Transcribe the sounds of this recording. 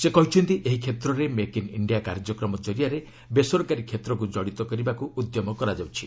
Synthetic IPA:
sekɔɦit͡ʃʰɔnt̪iʔeɦikʰet̪ɾɔɾemekinḭɳɖijakaɾd͡ʒɔkɾɔmɔt͡ʃɔɾijaɾe | besɔɾkaɾikʰet̪ɾɔkud͡ʒɔɽit̪ɔkɔɾibakuud̪jɔmɔkɔɾad͡ʒawt͡ʃʰi̥

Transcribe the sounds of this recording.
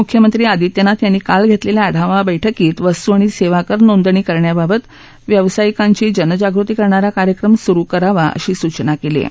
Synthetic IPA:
mukʰjəmənt̪ɾiːad̪it̪jənat̪janːiːkalɡʱet̪leljaaɽ̤aʋabəjʈʰəkiːt̪ʋəst̪uaɽ̃iseʋakəɾnond̪ɳiːkəɾɳjababət̪ | ʋjəʋsajikaɲt͡ɕiːd͡ʑənəd͡ʑaɡɾut̪iːkəɾɳaɾakaɾjəkɾəmsuɾukəɾaʋaʔə̰ɕiːsut͡ɕnakelḛ

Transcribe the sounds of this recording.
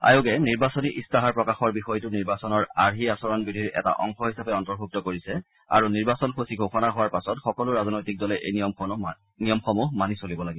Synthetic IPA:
a̰joɡɛniɹbasoniʔistaɦaɹpɹɔkaxɔɹbixɔjtʊniɹbasɔnɔɹaɹɦiasɔɹɔnbidʱiɹɛ̰ta̰ʔɔ̰ŋxɔɦisapɛɔntɔɹbʱuk̚tɔkoɹisɛ | a̰ɹuniɹbasɔnpʰosiɡʱoxɔnaɦʊwaɹpasɔtxɔkɔlʊɹaznojtik̚dɔlɛʔeɔmɔ | nijɔmxɔmuɦmanisolibɔlaɡibɔ

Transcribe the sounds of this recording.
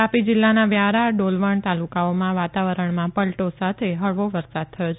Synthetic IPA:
apid͡ʒɪlːanaʋjaɾaɖolʋəɳt̪alukaomãʋat̪aʋəɾəɳmãpəlʈosat̪ʰeɦəɭʋoʋəɾsad̪̚t̪ʰəjot͡ʃʰ

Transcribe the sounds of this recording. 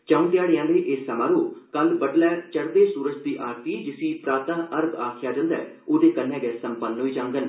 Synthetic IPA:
t͡ʃãũːt̪ɪjaːɽeːãːleːʔɪːsəmãːɾoːkəlbəɖlɛːt͡ʃəɾd̪eːsuːɾət͡ʃd̪iːʔaːɾt̪iːd͡ʒɪsĩːpɾaːt̪ãːʔəɾɡaːkʰɪjaːd͡ʒə̃nd̪ɛ̰ː | oːd̪eːkənːɛ̃ːɡɛːsəmpənɦoːiːd͡ʒãːŋɡən

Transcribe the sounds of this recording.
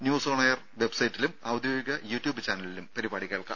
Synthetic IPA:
njuːsoːɳɐjɐr | ʋe̞bsɐjitːilumɐwd̪joːiɡɐjuːtːjuːbɨt͡ɕaːnɐlilumpɐɾibaːɽike̞ːɭka̰ːm

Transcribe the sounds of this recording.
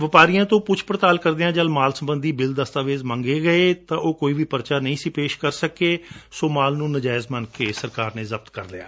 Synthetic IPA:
ʋɪpaːɾijãːt̪õːpʊt͡ʃʰpɾət̪aːlkəɾd̪eːãːd͡ʒəlmaːlsəmbənd̪iːbɪld̪əst̪aːʋeːzmə̃ːŋɡeːɡəeːt̪ãːʔoːkoːiːʋiːpəɾt͡ʃaːnəĩːsiːpeːʃkəɾsəkeːsoːmaːlnũːnəd͡ʒaːɪzmənkeːsəɾkaːɾnẽːzəb̚t̪kəɾlɪja̰ː

